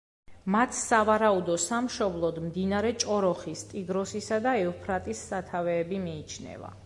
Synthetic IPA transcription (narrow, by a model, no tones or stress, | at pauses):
mat̪ʰsavaɾaud̪ɔsamʃɔblˠɔd̪md̪inaɾɛt͡ʃʼɔɾɔχist̪ʼiɡɾɔsisad̪aɛupʰɾat̪ʼisːat̪ʰavɛːbimiːt͡ʃʰnɛ̰va̰